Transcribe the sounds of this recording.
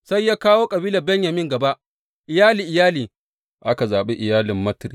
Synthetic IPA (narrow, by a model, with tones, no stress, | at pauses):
sa˦jːaː˦kaː˦woː˦kʼɐ˨biː˦lɐ˨bɛ˦ɲjɐ˨mɪ˦ŋɡɐ˨ba˦ʔ | ʔɪ˨jaː˦liː˨ʔɪ˨jaː˦liː˨ | ʔa˦ka˨zaː˨ɓe˦ʔɪ˨jaː˦lɪ˨mːɐ˦tɾi˨